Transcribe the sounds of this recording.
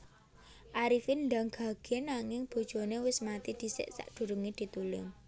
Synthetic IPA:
ʔaɾifind̪aŋɡ̥a̤ɡ̥ɛ̤nːaŋɪŋb̥o̤d̥ʒ̥o̤newɪsmat̪id̪̥i̤sɪ̰ʔsa̰ʔd̪̥ṳɾuŋid̪̥i̤t̪ulɪ̰ŋ

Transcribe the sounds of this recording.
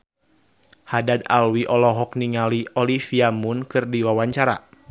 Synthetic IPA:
hadada̰lwiʔɔlɔɦɔk̚niŋaliɔlifiamunkɨrdiwawaɲt͡ʃaɾa̰

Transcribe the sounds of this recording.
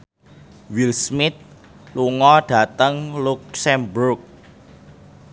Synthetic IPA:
wilsmɪt̪̚ | luŋɔɖ̥ä̤t̪əŋluk̚sɛmburk̚

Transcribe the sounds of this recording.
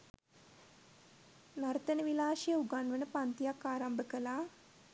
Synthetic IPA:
naɾt̪ənəʋilaːʃijəuɡanʋənəpant̪ijakːaːɾambəkəlaː

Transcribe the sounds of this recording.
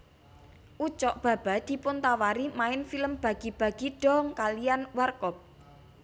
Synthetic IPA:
ʔut͡ʃɔʔb̥a̤b̥a̤d̪̥i̤pʊnt̪awaɾimaɪnfiləmb̥a̤ɡ̥i̤b̥ä̤ɡ̥i̤ɖ̥ɔ̤ŋkalijanwarkɔp̚

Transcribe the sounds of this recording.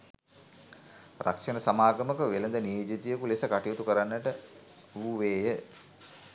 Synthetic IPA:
rʔa̰kʂənəsamaːɡəməkəʋelənd̪əniːd͡ʒit̪ijəkulesəkaʈijut̪ukəɾanːəʈə | ʋuʋeːjə

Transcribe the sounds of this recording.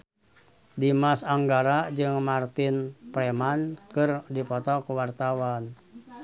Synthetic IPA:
dimasaŋɡaɾad͡ʒɨŋmart̪ɪnpɾɛmankɨrdipɔt̪ɔkuwart̪awan

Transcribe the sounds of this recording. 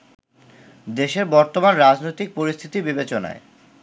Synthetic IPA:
d̪eʃeɾbɔɾt̪omanɾad͡ʑnojt̪ik̚poɾist̪ʰit̪ibibet͡ɕona̰e

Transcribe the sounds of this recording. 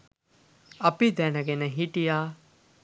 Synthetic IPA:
ɐpid̪ɛːnɐɡenɛ̃ɦiʈijaː

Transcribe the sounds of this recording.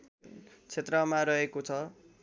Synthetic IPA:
t͡sʰet̪rʌmaɾʌɦekot͡sʰʌ

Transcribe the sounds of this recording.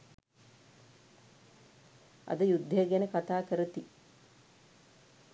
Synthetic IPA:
ʔɐ̰d̪əjud̪ʱːɐjɐɡɛnəkat̪aːkəɾət̪i

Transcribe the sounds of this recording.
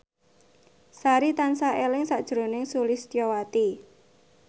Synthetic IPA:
saɾit̪ansaʔelɪŋsaʔd̥ʒ̥ɾonɪŋsulɪst̪iɔwat̪i

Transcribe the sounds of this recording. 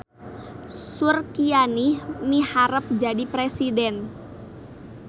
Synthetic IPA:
surkianihmihaɾəp̚d͡ʒadipɾesidɛn

